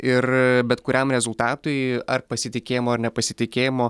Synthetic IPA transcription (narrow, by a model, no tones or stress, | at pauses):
ɪrbʲɛt̪kʊɾʲɛmɾʲɛzʊlˠt̪ɑːt̪ʊɪɐrpɐsʲɪt̪ʲɪkʲeːjɪmoːɐɾnʲɛpɐsʲɪt̪ʲɪkʲeːjɪmoː